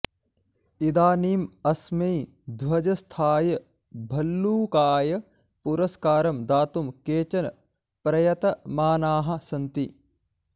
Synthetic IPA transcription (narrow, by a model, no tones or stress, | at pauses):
id̪aːniːmɐsmɐj | d̪ʱwɐd͡ʒɐst̪ʰaːjɐ | bʱɐlːuːkaːjɐ | puɾɐskaːɾɐmd̪aːt̪umkeːt͡ʃɐn | pɾɐjɐt̪ɐmaːnaːɦɐ̆sɐnt̪i